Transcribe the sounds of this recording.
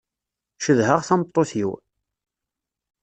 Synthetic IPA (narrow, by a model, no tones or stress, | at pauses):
ʃəðhəʁθɑmət̪ˤːoθjiw